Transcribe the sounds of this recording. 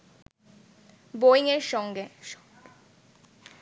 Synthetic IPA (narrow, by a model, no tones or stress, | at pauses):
boiŋeɾʃɔŋɡe